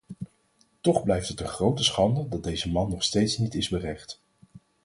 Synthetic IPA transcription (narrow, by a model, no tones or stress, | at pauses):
tɔχblɛjftətənχrowtəsχɑndədɑt̚dejzəmɑnːɔχstejtsnitɪzbərɛχt